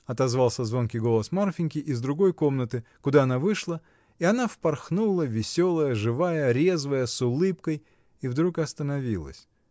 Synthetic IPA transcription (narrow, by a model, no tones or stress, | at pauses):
ɐt̪ɐzvalˠsʲəzvonkʲɪɡo̞lˠəsmarfʲɪnʲkʲɪʔɪzd̪ɾʊɡo̞jko̞mnət̪ɨkʊd̪aɐnavɨʂlˠə | ɪɐnafpɐrxnulˠəvʲɪsʲo̞lˠəjəʐɨvajəɾʲe̞zvəjəsʊlˠɨpkəj | ivd̪ɾukɐst̪ənɐvʲilˠə̰sʲ